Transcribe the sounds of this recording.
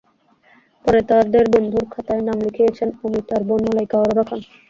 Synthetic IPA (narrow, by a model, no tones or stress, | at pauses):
pɔɾet̪aɾd̪eɾbond̪ʱuɾkʰat̪aenamlikʰijet͡ɕʰenomit̪aɾbonmalajkaoɾoɾakʰon